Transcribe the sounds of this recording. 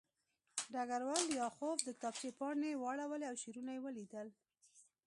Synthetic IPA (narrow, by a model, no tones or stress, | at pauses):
ɖaɡaɾwɑlːjɑxofd̪əkt̪ɑpt͡ʃepɑɳewɑɽawəleawʃiɾunajewəlid̪əl